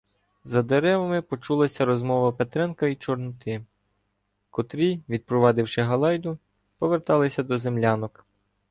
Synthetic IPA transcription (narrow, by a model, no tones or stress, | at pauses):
zɐd̪eɾɛʋɐmɪpɔt͡ʃulˠɐsʲɐɾɔzmɔʋɐpet̪ɾɛnkɐit͡ʃɔrnʊt̪ɪ | kɔt̪ɾʲijʋʲid̪̚pɾɔʋɑd̪ɪwʃɪɦɐlˠɑjd̪ʊ | pɔʋert̪ɑlˠɪsʲɐd̪ɔzemlʲɑnɔk